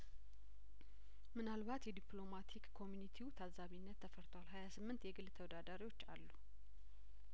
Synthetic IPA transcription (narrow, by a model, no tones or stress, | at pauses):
mɨnalβat̪jɛd̪iplo̞mat̪ʰikkʰːo̞mjunit̪ʰiut̪ʰazaβinːət̪ʰːəfəɾt̪ʰəwalɦajasɨmːɨnt̪jɛɡɨlt̪ʰəwɔd̪ad̪aɾiwo̞t͡ʃːa̰lːu